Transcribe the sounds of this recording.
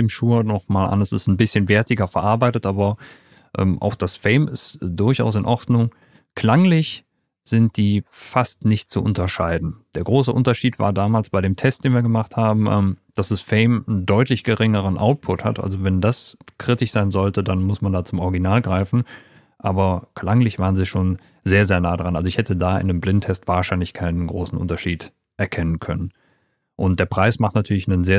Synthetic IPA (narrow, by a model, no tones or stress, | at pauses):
eːmʃuːɐnɔχmaːlʔa̰nɛsɪ̰stn̩bɪsçənvɛɐtɪɡɐfɛɐʔaɐbaɪtətʔaːbɐ | ʔɛ̰ːmʔa̰ʊxd̥asfɛɪmɪstd̥ʊɐça̰ʊs̬ɪnʔɔʁdnʊŋ | kʰl̥aŋlɪç | z̥ɪnt̚d̥iːfastnɪçt̚t͡sṵʔʊ̰ntɐʃaɪdn̩d̥eːɐɡʁoːsəʔʊntɐʃiːtva̰ːɐdaːmaːlsb̥aɪɾeːmtʰɛst̚d̥eːnviːɐɡəmaχthaːbm̩ʔɛ̰ːmd̥asɛsfɛɪməndɔʏtlɪçɡ̥əʁɪŋəʁ̞ənʔa̰ʊt̚pʰʊtha̰tʔa̰lzovɛndaskʁ̥ɪtɪçz̥aɪnzɔltədanmʊsmandaːt͡sʊmʔɔʁɪɡinaːlɡʁaɪfn̩ | ʔaːbɐkʰl̥aŋlɪçv̥aːʁənziːʃoːn | zeːɐzeːɐnaːədʁanʔalzoɪçhɛtʰədaːʔɪ̰ndəmblɪntʰːɛstv̥aːɐʃaɪnlɪçkʰaɪnənɡʁoːsn̩ʔʊ̰ntɐʃiːt | ʔɛɐkʰɛnənkʰœnən | ʔʊnt̚d̥eːɐpʁ̥aɪsmaχtnatʰyːɐlɪçnənzeː